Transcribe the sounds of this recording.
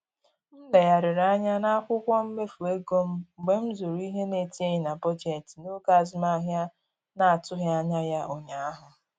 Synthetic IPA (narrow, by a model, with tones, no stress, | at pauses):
n̩˦le˨ja˨ɾɪ˨ɾa˦ɲa˦na˦a˦kʷʊ˦kʷɔ˦m̩˦me˦fu˨e˦ɡo˦m̩˦˨ɡ͡be˨m̩˦zu˨ɾu˨˦i˦ɦe˦ne˨ti˦e˦ɲɪ˨na˨pɔ˦d͡ʒe˨tno˦ka˦˨zɪ˦ma˦a˦ɦja˦ | na˨a˨tʊ˦ɦe˦a˦ɲa˦ja˦o˨ɲa˨a˦ɦʊ˨